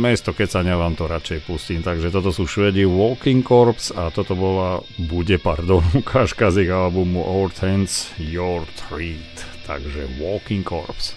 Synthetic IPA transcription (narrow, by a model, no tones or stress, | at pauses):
mɛst̪ɔkɛcsaɲɛlaːmt̪ɔɾat͡ʃɛjpusciːmt̪aɡʒɛt̪ɔt̪ɔsuːʃʋɛd̪iʋɔkiŋkɔɾpsat̪ɔt̪ɔbɔlabuɟɛpaɾd̪ɔnukʰaʃkaziɣalbumuʔɔɾt̪ʰɛnsjɔɾt̪ʰɾiːt̪t̪a̰ɡʒɛʋɔkiŋkɔ̰ɾps